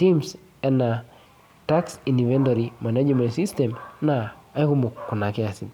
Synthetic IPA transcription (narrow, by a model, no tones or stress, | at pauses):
tims | ɛna | taksinivɛntoɾimanad͡ʒmɛ̃ntsistɛmnaːikumukːunakɛasi